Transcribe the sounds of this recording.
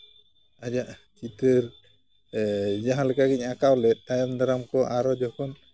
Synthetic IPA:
ad͡ʒaʔ | t͡ʃit̪əɾ | d͡ʒaɦãlɛkaɡiɲakawlɛt̪̚tajɔnd̪aɾamkɔʔaɾɔd͡ʒɔkʰɔn

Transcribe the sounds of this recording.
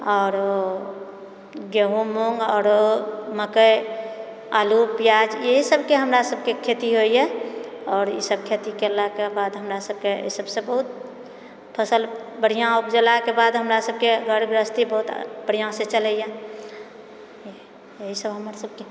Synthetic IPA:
ɔːɾ | ɡeɦumoŋɡɔːɾoməkəj | a̰lupjad͡ʒjeɦisəbkeɦəmɾasəb̚kekʰet̪iɦoijɛɔːɾḭsəb̚kʰet̪ikelakebad̪ɦəmɾasəb̚kḛsəbsẽbəɦut̪̚ | pʰəsəlbəɽ̤ijãupd͡ʒəlakebad̪ɦəmɾasəb̚keɡʱəɽɡɾəst̪ibəɦut̪b̥əɽ̤ijãsẽt͡ʃələjɛ | jeɦisəbɦəməɾsəb̚ke

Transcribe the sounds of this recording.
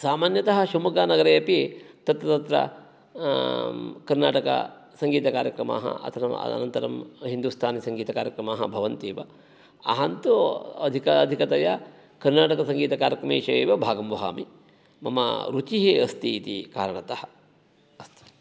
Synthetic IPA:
saːmaːnjɐt̪ɐɦɐ̆ʃɐmukanɐɡɐɾɐjɐpit̪ɐt̪ɾɐt̪ɐt̪ɾɐ̰ | kɐɾnaːʈɐkɐ̰sɐŋɡiːt̪ɐkaːɾjɐkɾɐma̰ːɦɐ̰ɐ̰t̪ʰɐnɐm̰ɐ̰nɐnt̪ɐɾɐ̰mɦind̪ust̪ʰaːnisɐŋɡiːt̪ɐkaːɾjɐkɾɐmaːɦɐ̰bʱɐʋɐnt̪eːʋɐ̰ | ɐ̰ɦɐnt̪uɐd̪ʱikɐɐd̪ʱikɐt̪ɐjɐ̰ | kɐɾnaːʈɐkɐsɐŋɡiːt̪ɐkaːɾjɐkɾɐmḛːʃɐjeːʋɐbʱaːɡɐmʋɐɦa̰ːmi | mɐmɐ̰ɾut͡ʃiɦeɐst̪iːt̪ḭkaːɾɐɳɐt̪ɐhɐ | ɐst̪u̥

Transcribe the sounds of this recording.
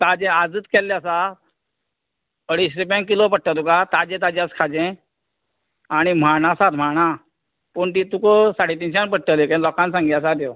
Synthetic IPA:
t̪ad͡ʑẽad͡zɨːt̪kɛlːjasa | əɽiɕɾipãŋkilopəʈʈat̪ukat̪ad͡ʑẽt̪ad͡ʑaskʰad͡ʑẽ | aɽ̃im̤aɳasat̪m̤aɳ̃a | pəːɳt̪it̪ukosaɽet̪inɕãnpəʈʈəlekɛ̃lɔkãnsãŋɡiasat̪jo

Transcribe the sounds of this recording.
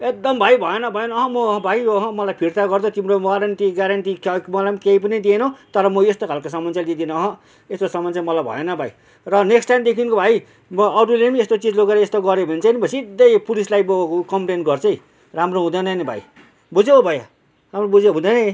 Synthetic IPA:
ek̚d̪ʌmbʱajbʱʌenʌbʱʌenʌɦʌ̃mʌ̃bʱajjoɦʌ̃mʌlajpʰirt̪aɡʌrd̪ʌt̪imɾomɡaɾʌnʈiɡaɾʌnʈikʌmʌlamkeip̬ʌnid̪ienʌwt̪ʌɾʌmʌest̪okʰalkosʌmʌnt͡sjad̪id̪inʌʌɦʌ̃ | est̪osʌmʌnt͡samʌlajbʱʌ̰enʌbʱa̰j | rʌneksʈajnd̪ekʰinkobʱaj | mʌɾulemest̪ot͡sid͡zloɡeɾʌest̪oɡʌɾebʱʌnt͡sʰʌnibʱʌsid̪ʌjpulislajbokʌmplenɡʌrt͡sʰʌj̃ | ramroɦũd̪ʌnʌnibʱa̰j | bud͡zeobʱʌja | ɦamrobud͡zeɦũd̪ʌne

